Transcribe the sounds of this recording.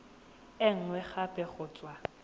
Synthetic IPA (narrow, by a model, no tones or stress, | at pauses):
ɪŋ̩ŋwɛχapʼɛχʊːt͡sʼwa